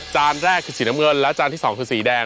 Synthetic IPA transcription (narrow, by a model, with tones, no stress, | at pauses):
t͡ɕaː˧nɾɛː˥˩kʰɯː˧˩siː˩˦na˦˥ŋɤ˧nlɛ˦˥ʔt͡ɕaː˧nt̪ʰiː˥˩sɔː˩˦ŋkʰɯː˧siː˩˦dɛː˧